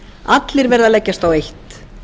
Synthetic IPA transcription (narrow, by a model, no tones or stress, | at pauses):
at̪lɪɾvɛɾðalɛcːast̪awejht̪